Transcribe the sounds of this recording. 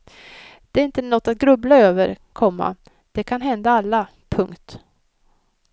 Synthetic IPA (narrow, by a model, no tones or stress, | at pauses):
d̪̥ɛæɾɪnt̪ənɔt̪ːat̪̚ɡɾɵblaøːvəɾkʰɔmːa̰ | d̪̥ɛkʰanɦɛnd̪aalːa | pʰɵŋkt̪